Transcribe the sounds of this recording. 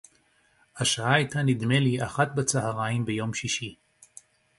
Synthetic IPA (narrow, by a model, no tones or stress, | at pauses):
haʃaʔaijtanid̪me̞liʔaχat̪bat͡sahaʁaimbejo̞mʃiʃi